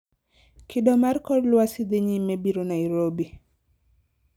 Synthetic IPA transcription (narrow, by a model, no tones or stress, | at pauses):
kidɔmaɾkɔɾlwasid̪eɲimebiɾonaiɾobi